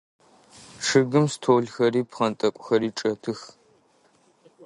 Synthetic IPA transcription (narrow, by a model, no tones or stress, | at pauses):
ʂɨɡɨmstʰoːɮxɐɾiːpχɐntʼɐkʷʼʊxɐɾiːʈ͡ʂʼɐtʰɨx